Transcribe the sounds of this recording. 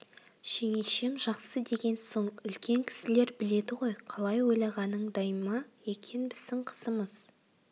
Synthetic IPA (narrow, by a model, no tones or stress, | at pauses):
ʃe̞ŋeʃe̞mʒɑqsəd̪e̞ɡʲe̞nso̞ɴʏlkʲe̞ŋkʲʰɪ̥sɪle̞ɾbɪle̞d̪ɪʁo̞jqʰɑlˠɑjwo̞jlˠɑʁɑnəɴd̪ɑjmɑje̞kʲʰe̞nbɪzd̪ɪŋqʰə̥səməz̥